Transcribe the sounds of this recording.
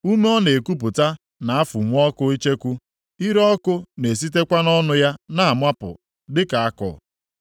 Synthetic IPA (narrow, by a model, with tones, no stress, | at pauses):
u˦me˦ɔ˦ne˨ku˦p̬ʊ˨ta˦ | na˨a˦fʊ˨ŋʷ˦ɔ˦kʊ˦i˦t͡ʃe˦kʷu˦ | i˦ɾɔ˦kʊ˦ne˨s̬i˦te˦kʷa˦nɔ˦nʊ˦ja˦na˦˨mʷa˦pʊ̰˨ | dɪ˦ka˨a˦kɔ̰˨